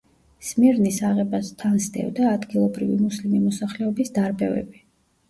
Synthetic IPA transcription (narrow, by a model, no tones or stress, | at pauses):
smiɾnisaʁɛbast̪ʰansd̪ɛ̰vd̪aːd̪ɡilˠɔbɾivimuslimimɔsaχlɛɔbisd̪aɾbɛvɛ̰bi